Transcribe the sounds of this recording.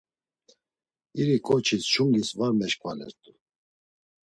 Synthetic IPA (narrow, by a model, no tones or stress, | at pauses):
iɾikʼɔt͡ʃʰisʃuŋɡisvaɾmɛʃkʼvalɛ̰ɾt̪ʼu